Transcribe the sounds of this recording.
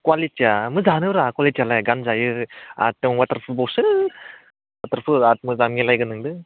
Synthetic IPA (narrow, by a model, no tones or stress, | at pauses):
kwalitiamɯzanɯɾakwalitijalajɡanzajɯa̰tːɯŋwat̪aɾpʰɯbɔwsɯ | wat̪əɾpʰɯat̚mɯzamilajɡɯnɯŋdɯ